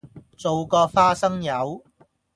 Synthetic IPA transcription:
t͡so˨wkɔː˧faː˥sɐ˥ŋjɐ˨˧w

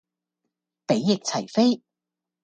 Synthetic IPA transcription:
pe˨˥jːɪ˨k̚t͡sʰɐ˨˩jfe˥j

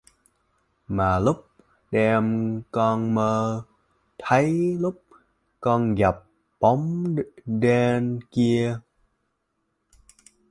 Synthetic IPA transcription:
maː˨˩lu˦˥k͡p̚ | ɗɛ˧˩mkɔː˧nməː˧ | t̪ʰə˨˦jlu˦˥p̚ | kɔː˧nɣa˨˩p̚ː | o˨˦mɗɛː˧nki˧ə

